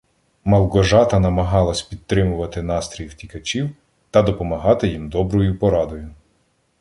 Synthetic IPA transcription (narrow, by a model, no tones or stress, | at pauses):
mɐlˠɡɔʒɑt̪ɐnɐmɐɦɑlˠɐsʲpʲid̪̚t̪ːɾɪmʊʋɐt̪ɪn̪ɑst̪ɾʲijwtʲikɐt͡ʃʲiw | t̪ɐd̪ɔpɔmɐɦɑt̪ɪjimd̪ɔbɾɔjʊpɔɾɑd̪ɔjʊ